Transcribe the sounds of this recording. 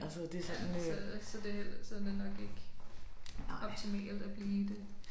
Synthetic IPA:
ælsəd̥esɔnsɒ̽d̥eel̰sɒd̥e̝nɒ̽ɡ̥e̝ɡ̥ | ɒ̽b̥̚t͡sʰimḛːld̥æb̥liːd̥e̝

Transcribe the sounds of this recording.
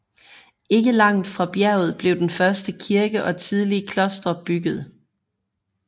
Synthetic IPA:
e̝ɡ̥əlɑ̈ŋ̰d̥fʁɑ̈b̥jæɐ̰ʊð̞̩ˠb̥le̝ʊd̥enfɶɐsd̥əkʰiɐɡ̥əʔɒ̽t͡sʰið̞ˠliəkʰlɔ̽sd̥ɐb̥yɡ̥ð̩ˠ

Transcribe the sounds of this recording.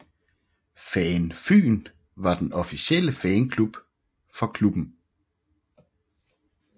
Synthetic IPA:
fɛːnfy̰ːn | ʋɑ̈d̥enɒ̽fiɕel̰əfɛːnkʰlub̥ | fɒ̽kʰlub̥n̩

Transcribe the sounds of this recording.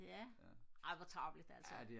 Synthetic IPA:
jæ | ʔɑ̈ɪʋɑt͡sʰʁɑ̈ʊ̥lid̥ælsɐd̥e

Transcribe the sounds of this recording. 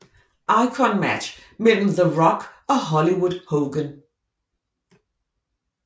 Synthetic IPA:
ʔaɪkʰə̃nmæ̰t͡ʃ | mɪdl̩ðəɹɒkəɦɒliwʊd̥̚hoʊɡə̃n

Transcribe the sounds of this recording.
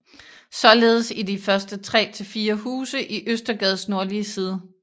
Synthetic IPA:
sɒ̽le̝ːð̞̩ˠəsidifɶɐsd̥ət͡sʰʁɛ̰ːt͡sʰe̝fiːɐhuːsəʔiʔøsd̥ɐɡ̥ɛð̞ˠsno̝ɐliəsiːð̞ˠə

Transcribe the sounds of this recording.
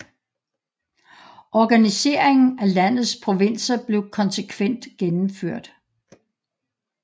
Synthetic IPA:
ʔɒɡ̥ænise̝̰ːɐ̰eŋn̩ælæn̰ð̩ˠspʰʁo̝ʋe̝n̰sɐb̥le̝ʊkʰɒ̽nsekʰʋen̰d̥ɡ̥enm̩føɐ̰d̥

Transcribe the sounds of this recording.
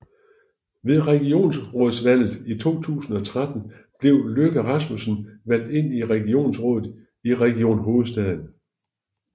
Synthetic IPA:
ʋe̝ðˠʁɛɡ̥io̝̰ːnsʁɔ̽ːðˠsʋæl̰ð̩ˠit͡sʰo̝̰ːt͡sʰṵːsn̩ɒ̽t͡sʰʁad̥n̩ | b̥le̝ʊ̰løɡ̥æʁɑsmusn̩ʋæn̰d̥e̝n̰iʁɛɡ̥io̝̰ːnsʁɔ̽ːðˠð̩ˠ | iʁɛɡ̥io̝̰ːnɦo̝ːð̩ˠsd̥ɛð̰ˠn̩

